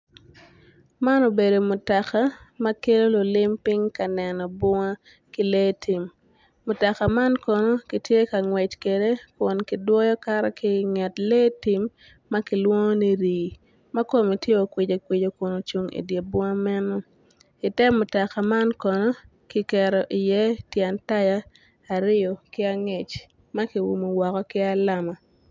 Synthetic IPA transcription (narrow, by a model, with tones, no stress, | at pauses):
ma˦no˨be˨do˨mʊ˨ta˨ka˦mɐ˦ke˦lo˦lo˨lɪ˦mpɪ˦ŋka˨nɛ˨nɔ˨bʊ˦ŋa˦ | ki˦leː˦tʰi˨m | mʊ˨tɔ˨ka˨ma˦nkɔ˨no˦ki˨tje˦ka˨ŋwɛ˨t͡ʃke˨de˦kʊ˨nki˨dwɔ˦jɔ˦ka˦ɾɛ˦ki˦ŋa˨tle˦ti˨mː | a˦ki˨lwo˦ŋo˦ni˦ɾiː˨ | ma˦ko˦mi˨tje˦o˨kwɪ˨d͡ʒo˨kwɪ˨d͡ʒo˨kʊ˨no˨t͡ʃu˨ŋḭ˨dje˨bʊ˦ŋa˦mɛ˦no˦ | ɪ˨tɛ˦mːʊ˨tɔ˨ka˨ma˦nkɔ˨no˦ | ki˨kɛ˨ɾo˨ʔɪ˨jɛ˦tjɛ˨nta˦jaː˦˨ | ɾɪ˦jo˨kɪ˦a˦ŋe˨t͡ʃ | ma˦ki˨wṵ˨mo˨wɔ˨kɔ˦kɪ˦a˦la˦ma˨